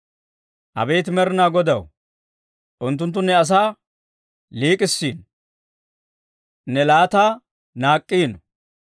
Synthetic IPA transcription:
ʔɐ̰bɛjt̪ɪmɛɾɪnaːɡɔd̪ɐw | ʔʊnt̪ːʊnt̪ːʊnːɛɐs̬aː | liːkʼɪsːiːn | nɛlaːt̪aː | naːkʼːiːnɔ

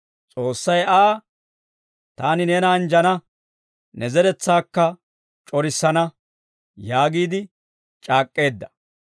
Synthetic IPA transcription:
t͡sʼo̞ːsːɐjaː | t̪aːnɪne̞ːnɐːnd͡ʒɐnɐ | nɛzɛɾɛt͡sːaːkːɐ | t͡ʃʼɔɾɪsːɐnɐ | jaːɡiːd̪ɪ | t͡ʃʼaːkʼːe̞ːd̪ːɐ̥

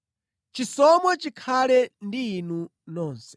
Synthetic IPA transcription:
t͡ʃisɔmwat͡ʃikʰalɛndiːnu | nɔːnsɛ̥

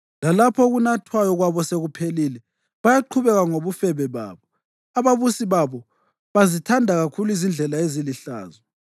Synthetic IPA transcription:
lalapʰɔɣunatʰwajɔɣwaβɔseɣupʰelilɛ | βajaǃʰuβɛɣaŋoβufɛβɛβa̰ːβɔ | aβaβusiβaβɔ | βazitʰandʱaɣakʰuluizind͡ɮʱɛlaeziliɬa̰ːzɔ

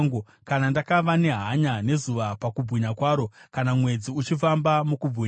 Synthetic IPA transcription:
ŋɡo | kanandakaʋane̞ɦaɲane̞zuʋapakub͡vɣiɲakwaːɾo̞kanamwe̞d͡ziut͡ʃifambamukubʱi

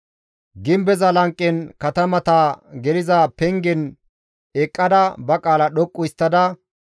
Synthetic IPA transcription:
ɡɪmbɛzɐlɐŋkʼːɛnkɐt̪ɐmɐt̪aɡɛlɪzapɛŋɡɛn | ɛkʼːɐd̪ɐbɐkʼaːlɐɗɔkʼːʊɪst̪ːɐd̪ɐ

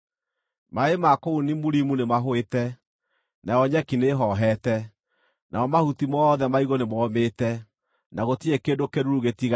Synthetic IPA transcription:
maemakounimuɾimunemaɦoetɛ | najɔɲɛkineɦɔɦɛtɛ | nʔaɔmahutimɔðɛmaiɣonemɔːmetɛ | naɣotiekedokeɾuɾuɣetiɣ

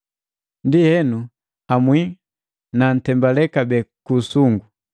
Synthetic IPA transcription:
ndihɛnu | hamwi | nan̩tɛmbalɛkabɛkusuŋɡu

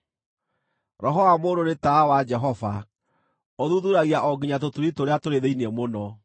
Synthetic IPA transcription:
ɾɔɦɔamoːndonetaːwad͡ʒɛɦɔva | oðuðuɾaɣiaʔɔɡiɲatotuɾitoɾeatoɾeðeiniɛmonɔ

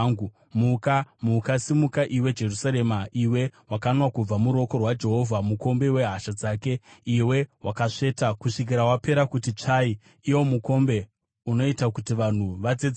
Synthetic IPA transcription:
ŋu | mukamukasimukaʔiwe̞d͡ʒe̞rusaɾemaiwe̞wakanwakub͡vamuɾo̞ko̞rwad͡ʒe̞ɦo̞vʱamuko̞mbe̞we̞ɦaʃad͡zaːke̞iwe̞wakaʂe̞ːtakuʂik̬iɾawape̞ɾakutit͡ʂai | iwo̞muko̞mbe̞ | uno̞itakutiʋan̤uʋad͡zed͡z

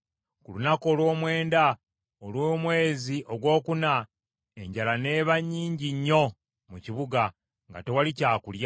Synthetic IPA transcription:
kulunakoːlwo̞ːmwe̞ːnda | olwoːmwe̞ːziʔo̞ɡwo̞ːkuna | e̞ɲɟalane̞ːβaɲːiːɲɟiɲːo̞ | muciβuɡa | ŋɡa̰te̞walicaːkulja

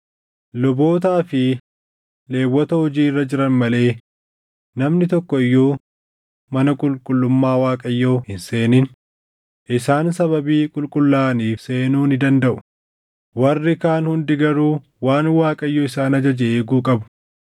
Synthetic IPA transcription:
lɔboːt̪aːfɪ | le̞ːwːɔt̪ɐhʊd͡ʒiːrːɐd͡ʒɪɾɐnmɐle̞ː | nɐmnɪt̪ɔkːɔɪjːuː | mɐnɐkʼʊlkʼʊlːʊmːaːwaːkʼɐjːoːhɪnse̞ːnɪn | ʔɪsaːnsɐβɐbiːkʼʊlkʼʊlːaːniːfse̞ːnuːnɪd̪ɐnd̪ɐʔʊ | wɐrːɪkaːnhʊnd̪ɪɡɐɾuː | waːnwaːkʼɐjːoːɪsaːnɐd͡ʒɐd͡ʒɛeːɡuːkʼɐbʊ̥

